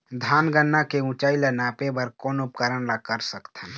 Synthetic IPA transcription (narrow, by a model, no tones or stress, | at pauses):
d̪ʱaːnɡənːakeũt͡ʃaːilanaːpebəɾkɔːnʊpkəɾəɽlakəɾsəkt̪ɛ